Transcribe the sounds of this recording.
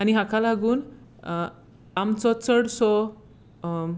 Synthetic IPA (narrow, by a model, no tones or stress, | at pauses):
aɽiɦakʰalaɡuːn | amt͡sɔt͡səɽsɔ